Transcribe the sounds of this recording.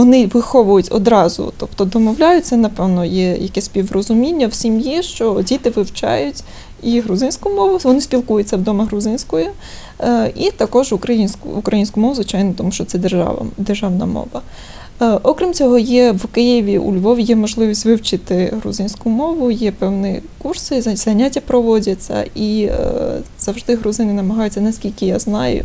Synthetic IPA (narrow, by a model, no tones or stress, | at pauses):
ɔnɪʋɪxɔʋʊjʊtʲɔ̰d̪ɾɑzʊ̰t̪ɔpt̪ɔd̪ɔmɔwlʲajʊt̚ʲtt͡s̪ɛnɐpɛwnɔjɛjɐkɛsʲsʲpʲiʋrɔzʊmʲinʲːɐw̥sʲimjɛʃt͡ʃɔdʲit̪ɪʋɪwt͡ʃɑ̰jʊtʲ | iɦɾʊzɪnʲsʲkʊmɔʋʊʋɔnɪsʲpʲilˠkujʊt̚ʲt͡sʲɐwd̪ɔmeɦɾʊzɪnʲsʲkɔjʊ | it̪ɐkɔʒʊkɾɐjinʲsʲkʊkɾʔɐjinʲsʲkʊmɔʋʊzʋɪt͡ʃɑjnɔt̪ɔmuʃt͡ʃɔt̪sɛd̪ḛd̪erʒɑwnɐ̰mɔ̰ʋɐ | ʔɔkɾʲimt͡sʲɔɦɔjɛʋkɪjɪʋʲiʔṵlʲʋɔʋʲjɛmɔʒlˠɪʋʲisʲtʲʋɪwt͡ʃɪt̪ɪɦɾʊ̰zɪnʲsʲkʊmɔʋʊjɛpɛwnɪkursɪzɐnʲːatʲːɐpɾɔʋɔdʲɐt͡sʲːɐ̰i | z̥ɐwʒd̪ɪɦɾʊzɪnɪnɐmɐɦɑjʊt͡sʲːɐnɐsʲkʲilʲkɪjaznɑjʊ̰